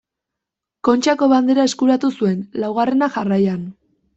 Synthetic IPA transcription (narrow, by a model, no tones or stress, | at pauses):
ko̞nt͡ʃako̞βand̪e̞ɾae̞skuɾat̪usue̞nlawɣ̞are̞naʝarajan